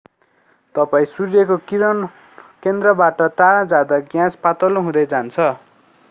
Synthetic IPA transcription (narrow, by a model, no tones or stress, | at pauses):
t̪ʌpaĩsurjʌkoiɾʌ | kend̪rʌbaʈʌʈaɽãd͡zad̪aɡjãspat̪ʌloɦũd̪ʌjd͡zant͡sʰʌ